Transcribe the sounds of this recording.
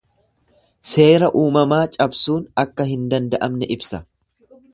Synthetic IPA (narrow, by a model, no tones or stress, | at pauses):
se̞ːɾɐʔuːmɐmaːt͡ʃʼɐbsuːnɐkːɐɦɪnd̪ɐnd̪ɐʔɐmnɛʔɪbsɐ